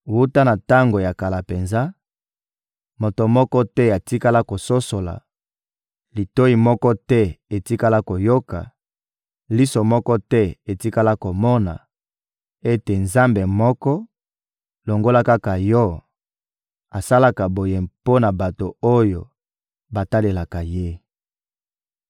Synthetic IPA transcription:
wu˦ta˦na˨ta˦ŋɡo˨ja˨ka˨la˨pe˨nza˦ | mo˨to˨mɔ˦kɔ˦tɛ˦a˨ti˦ka˦la˦ko˨so˦so˨la̰˨ | li˨to˦i˨mɔ˦kɔ˦tɛ˦e˨ti˦ka˦la˦ko˨jo˦ka̰˨ | li˦so˨mɔ˦kɔ˦tɛ˦e˨ti˦ka˦la˦ko˨mɔ˦na̰˨ | e˦te˨nza˦mbe˨mɔ˦kɔ˦ | lo˨ŋɡo˦la˦ka˦ka˨jɔ˦ | a˨sa˦la˦ka˨bo˨je˨mpo˦na˨ba˨to˨o˦jo˨ | ba˨ta˦le˨la˨ka˨je˦

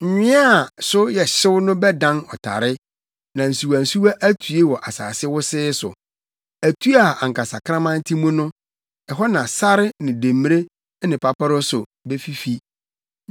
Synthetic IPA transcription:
ɲ̩˨ɲᶣɪ̃˦a˦˨sʊ˦jɛ˨ɕɪ˦wnʊ̃˦bɛ˦dã˦nɔ̰˨tʰa̰˨ɾɪ˦ | nã˨n̩˨su˨wa˨n̩˨su˦wa˦ʔæ˦tʰu˨e˦wɔ˨ʔa˨sa̰ː˨sɪ˦wʊ˦sɪ˦sʊ̰˨ | æ˨tʰu˦a˨a˨ŋ̩˨kʰa˨sa̰˨kʰɾã˦mã˦n̩˦tʰi˦mũ˦nʊ̃˦ | ɛ˨ɦɔ˦nã˨sa˦ɾɪ˦nɪ̃˨dẽ˨mː˦ɾe˦ | nɪ̃˨pʰa˨pʰa˦ɾʊ˦sʊ˨ | be˦fi˦fi˦

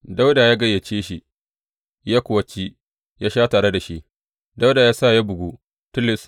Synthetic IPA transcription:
da˦wda˨jaː˦ɡɐ˦jːɐ˨t͡ʃeː˦ʃi˦ | jaː˦kʷʊ˨wɐ˨t͡ʃi˦ | jaː˦ʃaː˦taː˨ɽe˦da˨ʃi˦ʔ | da˦wda˨jaː˦sa˦˨ja˦bʊ˨ɡʷu˦ | tʊ˦lɪ˨s

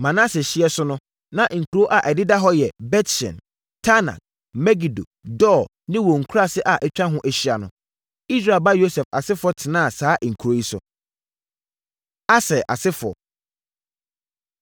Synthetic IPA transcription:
mã˨nã˦sɪ˨ɕɪ˦ɛ˦sʊ˦nʊ̃˦ | nã˦ʔŋ̩˨kʰu˨ɾo˦ʔa˨ʔɛ˨dɪ˦da˦ɦɔ˦jɛ˨bɛ˦tʃɛ̰̃˨n | tʰa˦na̰˨k̚ | mɛ˦ɡi˨do̰˨dɔː˦˨ | nɪ̃˦wɔ˨ŋ̩˨kʰu˦ɾa˦sɪ˦ʔa˨ʔɛ˦t͡ɕᶣã˦ɦʊ̃˦ʔæ˨ɕi˦a˨nʊ̰̃˨ | i˦sɾa˦˨ba˦jo˦sɛ˨fa̰˨sɪ˦fʊ˦ɔ˦tʰɪ˨nã˦˨saː˦ʔŋ̩˨kʰu˨ɾo˦ji˦sʊ̰˨ | a˦sɛ˨ʔa̰˨sɪ˦fʊ˨ɔ˨

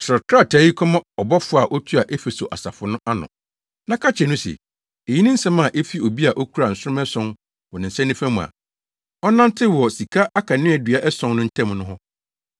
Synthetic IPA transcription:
t͡ɕʰɾɔ˨kʰɾa˦˨tʰæː˨˦ji˦kʰɔ˦mã˦ɔ˨bɔ˦fʊ˦a˨ʔɔ˦tʰu˦a˨ʔe˦fe˨so̰˨ʔa̰˨sa̰˨fʊ˨nʊ̃˦ʔa˦nʊ̰̃˨ | nã˦kʰa˦t͡ɕʰɛ˨nʊ̃˦sɛ̰˨ | e˨ji˦nɪ̃˦n̩˦sɛ̃˦mã˨ʔe˦fi˦o˨bi˦a˨ʔɔ˦kʰu˦ɾa˨n̩˨sʊ˦ɾʊ̃˦mɛ˦sɔ̃˦n | wɔ˨nɪ̃˨n̩˨sɛ̃˦nɪ̃˦fæ̃˦mũ˨a̰˨ | ɔ˦nã˦ntʰɪ˦wɔ˨si˨kʰa˦ʔa˦kʰa˨nɪ̃˦æ˨dɥa˨ʔɛ˦sɔ̃˦nnʊ̃˦n̩˦tʰɛ̃˦mnʊ̃˦ɦɔ˦

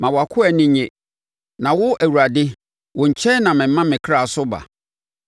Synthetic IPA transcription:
mã˨wɔ˨a˨kʰʊ˦ɛ˨nɪ̃˦ɲɛ̃˨ | nã˨wʊ˦ʔæ˨wu˨ɾa˨dɪ˦ | wʊ˨ɲ̩˨t͡ɕʰɛ˦nã˨mɪ̃˨m̩˦mã˦mɪ̃˨kʰɾa˨sʊ˦ba̰˨

